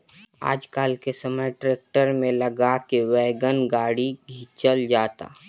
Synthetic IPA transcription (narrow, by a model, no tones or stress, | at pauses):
a̰ːd͡ʒkaːlkesəməjʈɾeːk̚ʈəɾmẽlɐɡakeʋɛːɡənɡaːɽiɡʱiːt͡ʃəld͡ʒaːt̪a̰ː